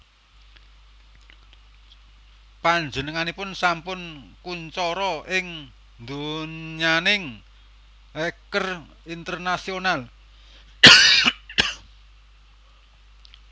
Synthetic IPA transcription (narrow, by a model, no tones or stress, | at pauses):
paɲd͡ʒənəŋanipʊnsampʊnkuɲt͡ʃɔɾɔʔɪŋ | nd̪oɲanɪŋ | ɛkər | int̪ərnasional